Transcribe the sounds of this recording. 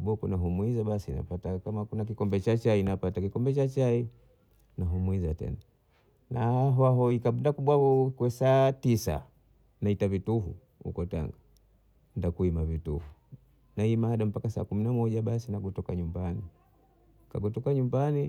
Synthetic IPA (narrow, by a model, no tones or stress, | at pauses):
ɓɔkunaɦumwizaɓasina̰patakamakunak̬ikɔmbɛt͡ʃat͡ʃainapatakikɔmbɛt͡ʃat͡ʃai | naɦumwizatɛ̰na | naaɦaɦɔikaɓundakuɓwaβɔkwɛsaːtisa̰ | naitavituɦṵ | hṵkɔta̰ŋɡa | ndakuimavitṵhu | naimaaɗam̩pakasa̰ːkuminamɔʄaɓasinaɡɔtɔkaɲumbani | ka̰ɡɔtɔkaɲumbani